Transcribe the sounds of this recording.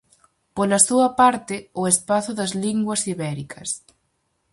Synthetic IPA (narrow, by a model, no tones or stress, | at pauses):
polɐsuɐpaɾt̪ɪʊespaθʊðɐzliŋɡwɐsiβɛɾikʰɐs